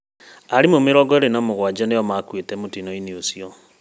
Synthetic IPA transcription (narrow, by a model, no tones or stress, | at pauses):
aɾimomeɾɔɡɔeɾenɔmoɣwad͡ʒɔnejɔmakwetɛmotinɔineosiɔ